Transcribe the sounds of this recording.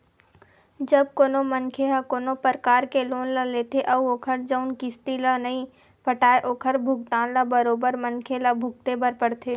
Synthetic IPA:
d͡ʒɐb̚koːnomənkʰelakoːnopəɾkaːɾkeloːnlaleːt̪ʰeʔɐoːkʰəɾd͡ʒəʊnkɪst̪ilanɐɦĩ | pɐʈaːeʔoːkʰəɾbʱʊɡt̪ãːnlabəɾoːbəɾmɐnkʰelabʱʊɡ̚t̪ebɐɾpɐɽt̪ʰeː

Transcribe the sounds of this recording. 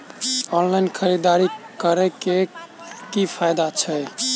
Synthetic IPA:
ɔnlainkʰəɾid̪aɾikəɾɛkekipʰajd̪at͡ʃʰəj

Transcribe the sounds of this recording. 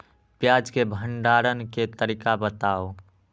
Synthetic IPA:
pjaːd͡ʒkebʱəɳɖaːɾənket̪əɾiːkabət̪aːo

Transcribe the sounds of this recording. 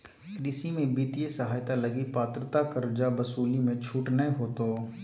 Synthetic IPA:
kɾɪsimẽbit̪ijesɐɦaːjt̪alɐɡipaːt̪ɾət̪akɐɾd͡ʒabɐsuːlimẽt͡ʃʰuːʈnɐɦɦoːt̪oː

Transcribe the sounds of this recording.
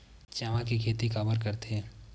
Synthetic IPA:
t͡ʃaʋãkikʰeːt̪ikabəɾkɐɾt̪eɦɛː

